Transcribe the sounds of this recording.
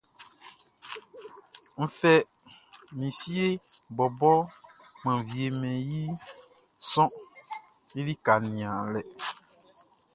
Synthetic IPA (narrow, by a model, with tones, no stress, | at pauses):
m̩˦fɛ˦ | mĩ˨si˦e˦bɔ˨bɔ˦mɛ̃˨vi˨e˨mɛ̃˨ji˦ | sɔ̃˦ | je˦li˦ka˨nĩ˨ã˨lɛ˨